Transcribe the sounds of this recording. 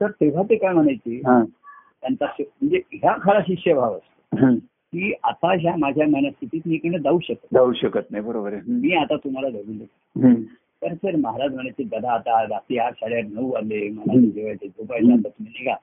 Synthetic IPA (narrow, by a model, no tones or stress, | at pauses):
səɾt̪eʋ̤at̪ekajm̤əɽ̃ajt͡seɦã | t̪jant̪asm̤əɳd͡zeɦjakʰaɭaɕikɕəbʱaʋəst̪əɦã | kiːat̪aɦjamad͡ʑʱjaməinast̪ʰit̪iːt̪mikəɳed̪auɕəkət̪d̪auɕəkət̪̚najbəɾobəɾeɦmiːat̪at̪um̤alad̪ʱəɡuːnd̪ek | ɦ | t̪əɾt̪əɾməɦaɾad͡ʑm̤əɽ̃ajt͡sed̪əd̪ʱaːt̪aɾat̪iaɾɕaɭjaɾnəuʋaleməlaid͡ʑeʋajt͡sed͡zopajsãbət̪meneka